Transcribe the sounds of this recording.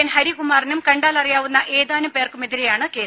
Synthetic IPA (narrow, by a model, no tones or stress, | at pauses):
ɐnhɐɾikumaːrinumkɐɳɖaːlɐrijaːʋunːɐʔe̞ːðaːnɐpe̞ːrkume̞ðiɾejaːɳɨke̞ː